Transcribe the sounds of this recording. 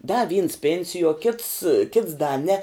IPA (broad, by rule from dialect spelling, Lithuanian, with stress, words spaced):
dɐ ʋʲiːns ˈpʲeːnʲsʲɪjuɔ kʲɪts kʲɪts dɐ nʲɛ